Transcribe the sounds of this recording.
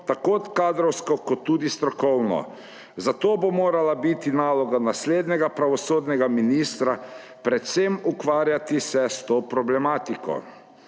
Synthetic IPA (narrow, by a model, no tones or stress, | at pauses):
t̪akot̪kaːd̪ɾɔwskɔkɔt̪ːuːd̪ist̪ɾɔkɔwnɔ̰ | zat̪oːbomoːɾalabit̪inaːlɔɡanasleːd̪nɛɡapɾaʋɔsoːd̪nɛɡaminiːst̪ɾa | pɾɛt̪semukʋaːɾjat̪isɛst̪opɾɔblɛmaːt̪ikɔ̰